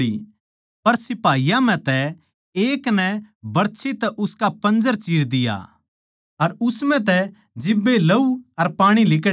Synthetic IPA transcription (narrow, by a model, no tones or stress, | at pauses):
ḭ | pɐɾsɪpaːijãm̤ɛ̃t̪ɛ | eːknɛbɐɽt͡ʃʰit̪ɛʔʊskapɐ̃nd͡ʒəɾt͡ʃiːɾd̪ɪja̰ | ɐɾʊsmɛ̃t̪̬ɛ | d͡ʒɪbːelɐuɐɾpaːɽ̃ilɪk